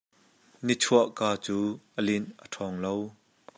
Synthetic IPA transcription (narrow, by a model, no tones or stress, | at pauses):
nit͡sʰuəʔkaːt͡suːʔəlɪnʔətʰɔːŋlow